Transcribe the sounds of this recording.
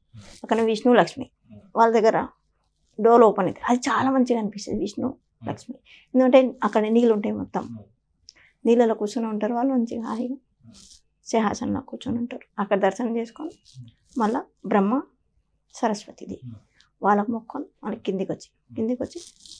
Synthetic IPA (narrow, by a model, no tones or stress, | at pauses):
ɐkːɐɽneʋiʃnuːlɐkʂmḭː | ʋaːlːɐd̪ɐɡːɐɾɐ̰ | ɖoːloːpɐniɡ̪iɾɐd̪it͡ʃaːlaːmɐɲt͡ʃikɐnipist̪ɐniʋisnuː | lɐ̰kʂmi | end̪ukɐɳʈeːɐkːɐɽɐniːluɳʈaːjmɔt̪ːɐm | niːlɐloːkuːt͡ʃoneuɳʈaːɾuʋaːlːumɐɲt͡ʃiɦa̰ːɦi | sɛɦa̰ːsɐnlo̰ːkuːt͡ʃunuɳʈaːɾu̥ɐkːɐɽɐd̪ɐɾʃɐnɐt͡ʃeːsu̥koːn | mɐlːɐbɾɐmːɐ | sɐɾɐsʋɐt̪id̪i | ʋaːlːɐkumɔkʰːonmɐ̰lːɐkkːind̪ikot͡ʃːi̥ | kind̪ikot͡ʃːi